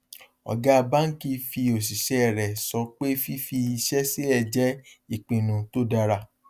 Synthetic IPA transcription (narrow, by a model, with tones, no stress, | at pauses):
ɔ̰˨ɡa˦a˧ba˦n̩˦ki˧fi˧o˨s̬i˨ʃɛ˨˦˨ɾɛ˨sɔ˧k͡pe˦fi˦fi˧i˧ʃɛ˦se˦ɛ˧˨d͡ʒɛ˦i˦˨k͡pĩ˨nũ˨to˦da˧ɾa˧